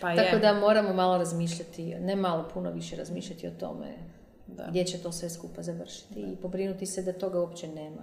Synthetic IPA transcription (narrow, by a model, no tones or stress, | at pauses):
tpaakod̪amo̞ːɾamomaːlˠo̞ɾazmiːʃʎat̪inemalopʰunoʋiʃeɾazmiːʃʎʲat̪iot̪o̞̰mḛ | ɡd̪jet͡ɕet̪o̞sʋe̞skupazaʋr̩ʃi̥t̪iːpo̞bɾinut̪ised̪at̪o̞ɡauopt͡ɕeneːma̰